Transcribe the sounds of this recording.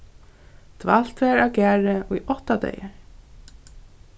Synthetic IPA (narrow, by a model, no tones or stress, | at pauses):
t̪val̥t̪vɛːɹawkæːɹɪujʔɔht̪ad̪ḛjɪɹ